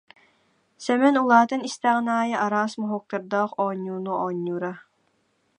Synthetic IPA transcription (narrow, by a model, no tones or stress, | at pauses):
sɛmɛnulˠɑːt̪ɨnist̪æʁnɑːjɑʔɑɾɑːsmɨɦok̚t̪ʰɨɾd̪ɑːqɔːɲːunuʔɑɲːuɾɑ